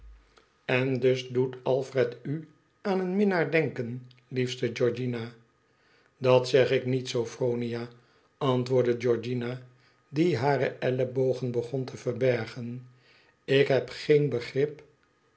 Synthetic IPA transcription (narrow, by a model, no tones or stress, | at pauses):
ɛndɵzdutɑlˠfrɛty | aːnənmɪnaːɹdɛŋkən | lifstəd͡ʒɔɹd͡ʒina | dɑtsɛχɪknitsowfrownija | ɑntʋʊːɹdəd͡ʒɔɹd͡ʒina | diɦaːɾə̰ʔɛləbowχənbəχɔntʰəvəɹbɛɹχən | ɪkɦɛpχejnbəχrɪp